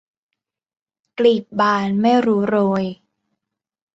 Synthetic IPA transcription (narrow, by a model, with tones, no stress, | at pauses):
kli˨˩p̪̚baː˧nma˥˩jɾuː˦˥ɾoː˧j